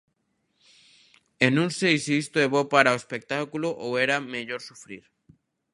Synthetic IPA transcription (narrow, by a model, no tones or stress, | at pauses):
enũŋsejsiist̪oeβopaɾaoespek̚t̪akuloʔoweɾameʎoɾsufɾiɾ